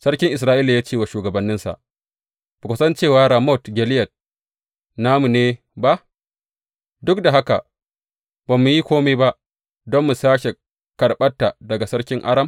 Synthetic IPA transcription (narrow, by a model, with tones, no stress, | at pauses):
sɐ˦ɾkʲɪ˦ŋʔɪ˨s̬ɾaː˦ʔiː˦la˨jaː˦t͡ʃe˦˨wa˨ʃuː˨ɡɐ˨bɐ˦nːɪ˦nsa̰˨ʔ | bʊ˨kʷʊ˨sɐ˦nt͡ʃeː˦˨waː˦ɾa˨mɔ˦˨tɡʲɛ˨lɪ˦jɐ˨t̚ | naː˦mu˨neː˦ | ba˦ʔ | dʊ˦k̚da˨ɦa˦ka̰˨ʔ | baː˨mːu˨ji˦kʷoː˦me˦ba˦ʔ | dɔ˦mːu˨saː˦ʃe˨ | kɐ˨ɽɓɐ˦tːa˨dɐ˨ɡa˨sɐ˦ɽkʲɪ˦ŋʔa˦ɾɐ˦m